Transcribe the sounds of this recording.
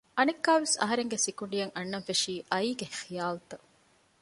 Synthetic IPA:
ʔɐnekːaːʋesɐ̰ɦɐɾeŋɡesikuɳɖijɐŋʔɐnːɐfeʂiːʔɐiːɡexijaːlut̪ɐ

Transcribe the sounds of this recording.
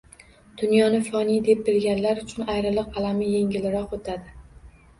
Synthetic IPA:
d̪̥ʊnjɒnɪfɒnijd̪e̞p̚bɪlɡʲanlaɾʊt͡ʃʰʊnajɾɪlˠɨqalamɪje̞ŋɡʲɪlɪɾɒqot̪ʰad̪ɪ

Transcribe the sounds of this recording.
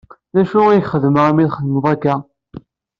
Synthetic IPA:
næʃʊijçχəðməʁæmiðχəðməðˤækːæ

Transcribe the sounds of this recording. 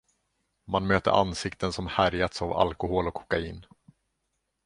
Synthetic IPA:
manmøːt̪ə̰ɾʔa̰nsɪkt̪ʰənsɔmhæɾjat̪sava̰lkʊhoːlɔkʰːɔ̥kaḭːn

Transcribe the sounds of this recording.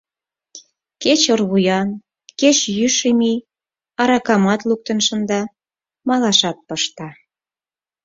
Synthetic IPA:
ket͡ɕorβujɑn | ket͡ɕjyʃemi | ɑɾɑkɑmɑt̪luk̚t̪ənʃə̆nd̪ɑ | mɑlɑʃɑt̪̚pəʃt̪ɑ

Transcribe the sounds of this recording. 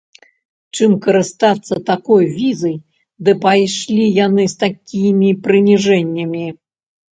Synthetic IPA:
t͡ʂɨmkɐɾɨst̪at̪sːɐt̪akɔjvʲizɐj | d̪ɨpajʂlʲijanɨst̪akʲimʲipɾɨnʲiʐɛnʲːɐmʲi

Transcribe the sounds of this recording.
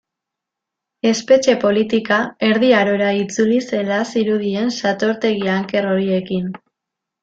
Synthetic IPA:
e̞spe̞t͡ʃe̞po̞lit̪ikae̞ɾðiaɾo̞ɾait͡sulise̞lasiɾuð̞ie̞nsat̪o̞ɾt̪e̞ɣiaŋke̞ro̞ɾie̞kin

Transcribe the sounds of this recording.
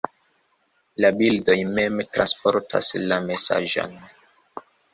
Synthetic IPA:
labildo̞jmemtɾanspoɾtʰa̰slame̞sa̰ʒo̰n

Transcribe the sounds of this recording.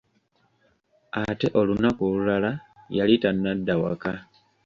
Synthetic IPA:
ate̞ʔo̞lunakolulalajalitanːadːawa̰ka

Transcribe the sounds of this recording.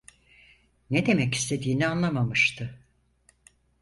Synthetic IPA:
ned̪e̞mɛci̥st̪ʰe̞d̪iːnianlˠamamɯʃt̪ʰɯ

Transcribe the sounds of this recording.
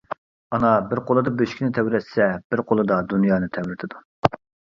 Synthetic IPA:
ɑnɑbɪɾqʰolˠɨd̪ɑbøʃkʲinɪt̪ʰɛwɾɛt̪sɛb̥ɪɾqʰolˠɨd̪ɑd̪unjɑːnɨt̪ʰɛwɾɪt̪ʰɪd̪u

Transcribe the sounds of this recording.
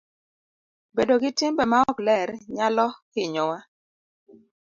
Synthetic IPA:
bedoɡɪtɪmbɛmaɔklɛɾɲalɔkɪɲɔwa

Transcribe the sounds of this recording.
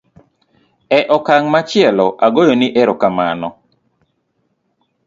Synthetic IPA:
ɛʔɔkaŋmat͡ʃɪɛlɔʔaɡojoniʔeɾokama̰nɔ

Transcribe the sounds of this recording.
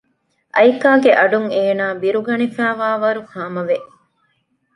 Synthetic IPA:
ʔɐjkaːɡeʔɐɖuŋeːnaːbiɾuɡɐnifæːʋaːʋɐɾukaːmɐʋeʔ

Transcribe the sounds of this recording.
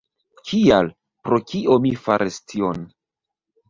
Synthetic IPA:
kʰial | pɾo̞kiʔo̞mifaɾistʰion

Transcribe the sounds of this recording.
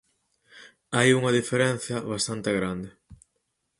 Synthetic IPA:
ajuŋɐðifeɾɛn̟θjɐβ̞ast̪ant̪eɣɾand̪ɪ

